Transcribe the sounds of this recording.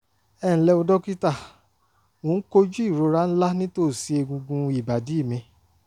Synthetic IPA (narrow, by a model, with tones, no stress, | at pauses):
ɛ˦˨ñ̩˨lɛ˧o˧dɔ˦ki˦ta˦˨ | mõ˨˦ko˦d͡ʒu˦i˦˨ɾo˧ɾa˦˧n̩˦la˦nĩ˦to˦˨si˧˦e˧ɡũ˧ɡũ˧i˨ba˨di˨˦i˦˨mĩ˧